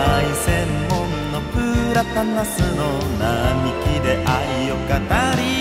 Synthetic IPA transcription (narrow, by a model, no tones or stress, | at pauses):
aisemːõnːopɯɾat̪anasɨno | namikʲid̪eʔaijokanaɾi